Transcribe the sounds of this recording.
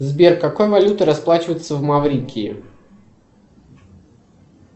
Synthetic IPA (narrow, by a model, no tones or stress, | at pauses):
zbʲerkːɐkojəvɐlʲut̪ɨɾɐsplˠat͡ɕɪvəjɪt̪səvmɐvɾʲikʲiː